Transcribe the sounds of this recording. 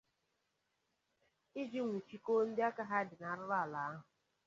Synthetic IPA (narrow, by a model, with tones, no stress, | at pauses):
ɪ˦d͡ʒi˦ŋʷu˨t͡ʃi˦ko˦n̩˦dɪ˦a˦ka˦ɦa˦dɪ˨na˨˦ɾʊ˦ɾa˦˨la˨a˦ɦʊ˨